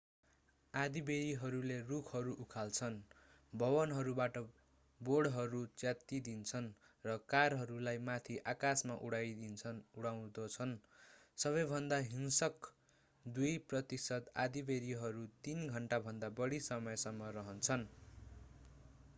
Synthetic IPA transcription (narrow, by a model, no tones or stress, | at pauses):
ad̪ibeɾiɦʌɾulerukʰʌɾuʔukʰalt͡sʰʌn | bʱʌbʌnɦʌɾubaʈʌ | boɽɦʌɾut͡sjat̪ːid̪int͡sʰʌn | rʌkarɦʌɾulajmat̪ʰiʔakasmaʔuɽajʰuɽaw̃d̪ʌt͡sʰʌnsʌβʌjbʱʌnd̪aɦiŋsʌk | d̪ujprʌt̪isʌt̪a̰d̪ibeɾiɦʌɾut̪inɡʱʌɳʈabʱʌnd̪abʌɽisʌmʌjsʌmːʌrʌɦʌnt͡sʰʌn